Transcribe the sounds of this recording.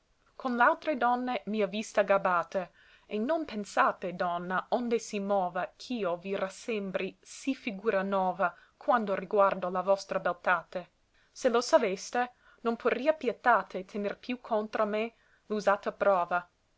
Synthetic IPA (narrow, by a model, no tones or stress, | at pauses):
kʰonlealt̪ɾed̪ɔnːemiavist̪aɡabaːt̪e | enːompensaːt̪ed̪ɔnːaond̪esimɔːvakʰiːovirasɛmbɾʔisifiɡuːɾanɔːva | kʰwand̪oriɡward̪olavɔst̪ɾabelt̪aːt̪e | selosavest̪e | nompʰoriapjɛt̪aːt̪et̪ʰenerpjukʰont̪ɾome | luzaːt̪apɾɔːva